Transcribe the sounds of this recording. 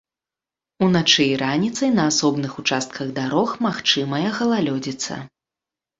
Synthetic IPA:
unat͡ʂɨiɾanʲit̪sɐjnɐːsɔbnɨxut͡ʂast̪̚kʰɐɣd̪aɾɔxmaxt͡ʂɨmɐjɐɣɐlˠalʲɔd͡zʲit̪sːɐ̰

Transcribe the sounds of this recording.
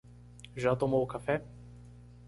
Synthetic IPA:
ʒat̪ɔmɔɔkafɛ

